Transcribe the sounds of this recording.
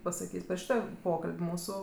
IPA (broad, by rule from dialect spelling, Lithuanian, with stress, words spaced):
pɐsɐˈkʲiːsʲ pʲɛr ˈʃʲiːtoː ˈpoːkɐlʲpʲ ˈmuːsʊ